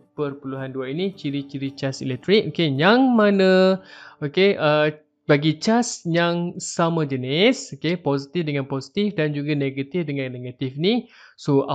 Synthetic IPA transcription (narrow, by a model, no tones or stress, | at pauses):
pərpuluɦanduainit͡ʃiɾit͡ʃiɾit͡ʃasḭlɛk̚t̪ɾik̚okejaŋmanə̃ | okeʔə | baɡit͡ʃasjaŋsamãd͡ʒənisokeposit̪ifdəŋãnposi̥t̪ifdand͡ʒuɡaneɡat̪ifdəŋãnːeɡat̪ifinisoa